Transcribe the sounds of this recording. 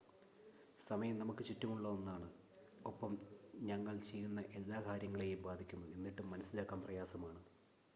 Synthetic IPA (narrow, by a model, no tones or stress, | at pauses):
sɐmɐjɐmnɐmukːɨt͡ɕitːɐmuɭːɐonːaːɳɨ | opːɐmɲɐŋːɐɭt͡ɕe̞jːunːɐʔe̞lːaːkʰaːɾjɐŋːɐɭe̞jumbaːd̪ʱikʲːunːɐðe̞nːiʈːumːɐnɐsːilaːkːaːmprɐjaːsɐmaːɳɨ